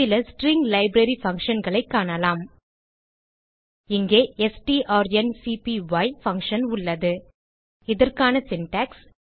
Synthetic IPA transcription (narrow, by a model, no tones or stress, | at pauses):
ɪlɐsʈɾiŋɡlɐɪbɾɐɾifɐŋkʂɐnɡɐɭɐɪkːaːnɐlaːm | ɪŋɡeːɛsʈiʔaːɾɛnsipiʋɐɪfɐŋkʂɐnʊɭːɐðɯ | ɪðɐrkaːnɐsɪnʈaːks